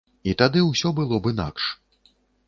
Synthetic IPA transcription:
it̪ad̪ɨwsʲɔbɨlˠɔbɨna̰kʂ

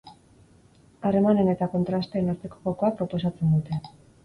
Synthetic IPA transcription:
are̞mane̞ne̞t̪ako̞nt̪ɾast̪eenaɾt̪e̞ko̞ɣoko̞apɾo̞po̞sat͡se̞nd̪ut̪e̞

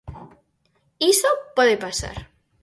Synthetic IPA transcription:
isopweðepasa̰ɾ

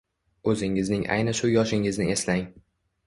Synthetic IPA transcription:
ɵzɪŋɪznɪŋʔa̰jnɪʃʊjɒʃɪŋɪznɪe̞slaŋ

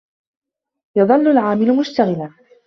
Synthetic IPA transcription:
jɑðˤɑlːʊlʕaːmɪlmʊʃt̪aɣɪla

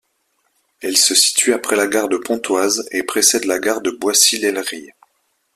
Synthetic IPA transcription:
ɛlsəsi̥t̪ɥyapχɛlaɡaʁd̪əpɔ̃t̪wazepχesɛd̪laɡaʁd̪əbwasilɛlʁi

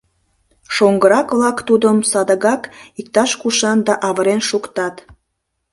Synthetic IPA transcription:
ʃoŋɡəɾɑkβlɑkt̪ud̪əmsɑd̪əɣɑkik̚t̪ɑʃkuʃɑnd̪ɑʔɑβəɾenʃukt̪ɑt̪

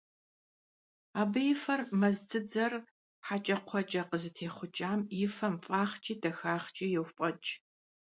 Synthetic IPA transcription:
aːbɨjɪfɐrmɐzt͡sɨd͡zɐr | ħat͡ʃʼɐqʷʰɔt͡ʃʼɐqəzɨtʰeːχʷʊt͡ʃʼaːmjɪfɐmfʼaːχt͡ʃʼiːdɐxaːχt͡ʃʼiːjɛwfʼɔt͡ʃʼ

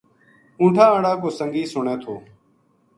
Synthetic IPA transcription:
ũːʈʰãːəɽaːkoːsəŋɡiːsʊɳeːt̪ʰoː

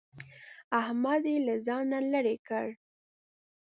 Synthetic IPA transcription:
ahmad̪elazɑnaləɾekəɽ

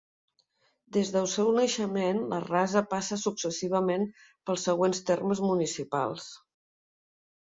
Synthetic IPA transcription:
d̪ezðəlˠsɛwnəʃəmenlə̰razəpasəsuksəsiβ̞əmen | pəlˠsːəɣ̞wenst̪erməzmunisipa̰lˠs

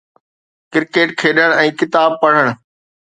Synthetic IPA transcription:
kɪɾkeːʈkʰeːɗəɽ̃ɛ̃ːkɪt̪aːb̚pɐɽ̤əɽ̃

